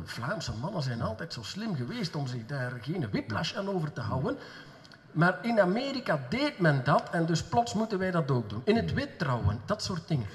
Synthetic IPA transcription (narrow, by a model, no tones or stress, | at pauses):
v̥laːmsəmɑnənzɛjnɑlˠtɛjtsoːslɪmɣəʋeːstɔmzɪɣdaːrɣeːnəʋɪplaʃaːnoːvərtəɦʌwən | maːrɪnameːɾikadeːtmɛndɑtʰɛndɵsplɔtsmutənʋɛjdɑtoːɡ̚dunɪnətʋɪt̚ːrɔwə̰nd̥ɑtsoːrt̚dɪŋən